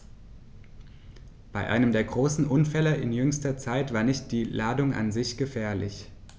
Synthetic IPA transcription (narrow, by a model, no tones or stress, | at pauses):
b̥aɪʔa̰ɪnəmdeːɐɡʁoːsn̩ʔʊnfɛləʔɪnjʏŋstɐt͡saɪtv̥aːɐnɪçt̚d̥iːlaːdʊŋʔa̰nzɪçɡ̥əfɛːɐlɪ̰ç